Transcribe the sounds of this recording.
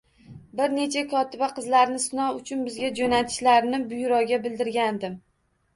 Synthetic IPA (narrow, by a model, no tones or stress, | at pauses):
bɪɾne̞t͡ʃʰakʰɒt̪ʰɪbaqɨzlaɾnɪsnɒʊt͡ʃʰʊnbɪzɡʲad͡ʒonat̪ʰɪ̥ʃlaɾnɪbʊjɾɒɡʲabɪld̪ɪɾɡʲand̪ɪm